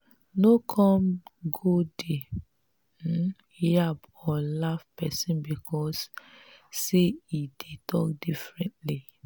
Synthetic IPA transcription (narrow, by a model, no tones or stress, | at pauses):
nokʰɔ̃mɡode | iab | ɔlafpɛsĩnbikʰɔsː | eidetɔk̚difɹɛ̃ntli